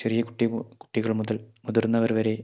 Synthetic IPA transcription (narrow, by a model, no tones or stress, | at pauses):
t͡ɕerijɐkuʈːiku̥ʈːiɣɐɭmuðɐlmuðurnːɐʋɐɾʋɐɾe̞